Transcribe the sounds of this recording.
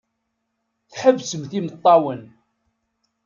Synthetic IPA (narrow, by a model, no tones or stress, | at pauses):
θħəvsəmθimət̪ˤːɑwən